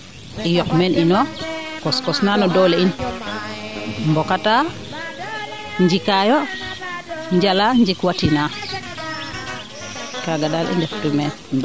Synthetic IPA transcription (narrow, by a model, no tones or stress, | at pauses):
ijɔkmenʔinɔkɔskɔsnanɔdolein | mbɔkata | ɲd͡ʒikajɔ | ɲd͡ʒalaɲd͡ʒikwatina | kaɡaɗalḭndɛftumɛn